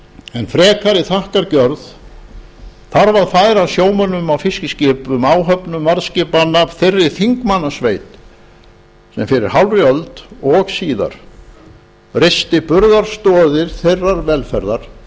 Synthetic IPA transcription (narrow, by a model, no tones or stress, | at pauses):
ɛnfɾɛːkʰaɾɪθahkaɾcœɾð | θaɾvaðfaːjɾasjoːwmœnːʏmawfɪscɪscɪːpʏmaːwɦœpnʏmːaɾscɪːpanapθɪrːɪ̥θiŋkmanːasveːjt̪ | sɛmfɪɾɪɾ̥ɦawlrjœlt̪ɔɣsiːða̰ɾ̥ | rest̪ɪpʏɾðaɾ̥st̪ɔːðɪɾ̥θejrːaɾvɛlfɛɾðaɾ̥